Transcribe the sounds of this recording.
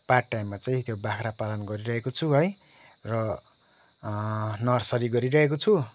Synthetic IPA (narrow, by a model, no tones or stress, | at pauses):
paʈːajmːat͡saĩt̪ʰjobakʰɾapalʌnɡʌɾiɾʌɦekot͡sʰuɦʌj | rʌ | nʌrsʌɾiɡʌɾiɾʌɦekot͡sʰu